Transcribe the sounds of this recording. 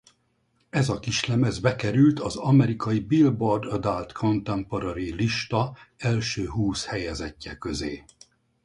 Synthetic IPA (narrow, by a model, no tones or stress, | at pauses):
ɛzɒkiʃlɛmɛzbɛkɛɾylt̪ɒzɒmɛɾikɒjibilbord̪ɔd̪alt̪kʰo̞nt̪ɛmpoɾɒɾiliʃt̪ɒɛlʃøːɦuːshɛjɛzɛcːɛkø̞zḛː